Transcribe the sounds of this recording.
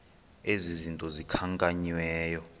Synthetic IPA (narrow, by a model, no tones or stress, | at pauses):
ezizintʼɔzikʰaŋkʼaɲwɛːjɔ